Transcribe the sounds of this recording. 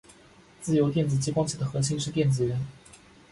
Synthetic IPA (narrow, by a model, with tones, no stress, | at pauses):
t͡sɹ̩˥˩jo˧˥ʊt̪jɛ˥˩nt͡sɹ̩˨˩t͡ɕi˥kwɑ˥ŋt͡ɕʰi˥˩d̪ə˩xɤ˧˥ɕi˧˥ŋʂɻ̩˥˧t̪jɛ˥˩nt͡sɹ̩˨˩ɥə˧˥n